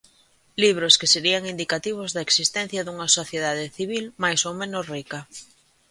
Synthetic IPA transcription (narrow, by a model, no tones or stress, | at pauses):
liβ̞ɾʊskeseɾiɐŋind̪ikat̪iβ̞ʊzðɐeksist̪ɛn̟θjɐðuŋɐsoθjeðaðɪθiβilmajsowmẽnʊsrikɐ